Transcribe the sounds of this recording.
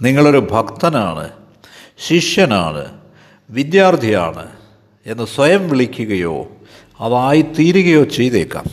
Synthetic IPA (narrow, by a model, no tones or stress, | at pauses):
niŋːɐɭo̞ɾubʱɐkt̪ɐna̰ːɳɨ̰ | ɕiʂjɐna̰ːɳɨ̰ | ʋid̪jaːrt̪ija̰ːɳɨ̰ | e̞nːɨswɐjɐmʋiɭikʲːuɣɐjo̞̰ː | ɐðaːjit̪iːɾuɣɐjo̞ːt͡ɕe̞jðeːkːa̰ːm